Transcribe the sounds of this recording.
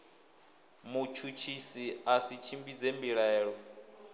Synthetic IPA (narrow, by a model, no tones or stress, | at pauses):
mut͡ʃʰut͡ʃʰisiasit͡ʃʰimbid͡zembiɺɛːɺɔ